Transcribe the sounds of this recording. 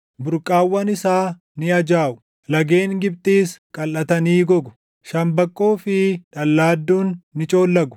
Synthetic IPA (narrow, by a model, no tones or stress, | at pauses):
bʊɾkʼaːwːɐnɪsaː | nɪɐd͡ʒaːʔʊ̥ | lɐɡeːŋɡɪb̚t̪ʼiːskʼɐlʔɐt̪ɐniːɡɔɡʊ̥ | ʃɐmbɐkʼːoːfɪᶑɐlːaːd̪ːuːnːɪt͡ʃʼo̞ːlːɐɡʊ̥